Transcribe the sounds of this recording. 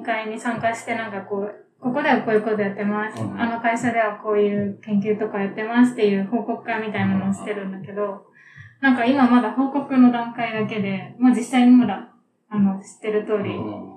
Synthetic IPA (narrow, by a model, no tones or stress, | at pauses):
kaiɲ̟isãŋkaɕi̥t̪e̞nãŋkako̞ː | ko̞ko̞d̪eɡako̞ːjɯ̟ko̞t̪ojat̪ːe̞masɨ̥ano̞kaiɕad̪e̞β̞ako̞ːjɯ̟ːkẽ̞ŋk̬ʲɨːt̪o̞kajat̪ːe̞masɨ̥t̪ːe̞jɯ̟ːho̞ːko̞kɯ̟̥kamʲit̪ainano̞oɕi̥t̪ːe̞ɾɯ̟̃nd̪ake̞d̪o̞ | nãŋkaimamad̪aho̞ːko̞kɯ̟no̞d̪ãŋkaid̪ake̞d̪e̞moːd͡ʑisaiɲ̟imad̪a | ano̞ɕi̥t̪ːe̞ɾɯ̟t̪o̞ːɾʲi